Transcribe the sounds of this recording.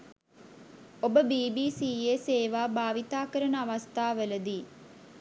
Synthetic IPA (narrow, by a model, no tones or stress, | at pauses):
obəbiːbiːsiːeːseːʋaːbaːʋit̪aːkəɾənəɐʋɐst̪ʰaːʋeləd̪iː